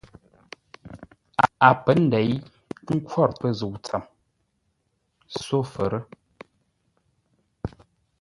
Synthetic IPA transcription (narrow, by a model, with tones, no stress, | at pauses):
a˨a˨pə˨˦n̩˦dɛ˨˦j | ŋ̩˦kʰwɔ˦˨ɾpə˦zu˨t͡sa˨m | so˦˨fə˨ɾə˦